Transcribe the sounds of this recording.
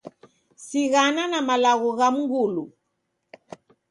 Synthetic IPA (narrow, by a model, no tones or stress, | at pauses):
siɣananamalaɣɔɣam̩ŋɡulu